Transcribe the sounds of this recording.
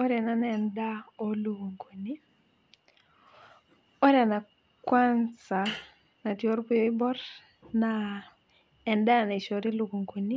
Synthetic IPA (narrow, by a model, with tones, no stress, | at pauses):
ɔ˦ɾɛ˨na˦nɛnda˦o˦lu˨ɡo˨ŋko˨ni˦ | ɔ˦ɾɛ˨na˨ | kwa˦nsa˨ | na˨tjo˦ɾpu˦jo˦i˦bɔ˦r | na | ɛ˨nda˦˨na˨i˨ʃo˨ɾi˦lu˨ɡo˨ŋko˨ni˦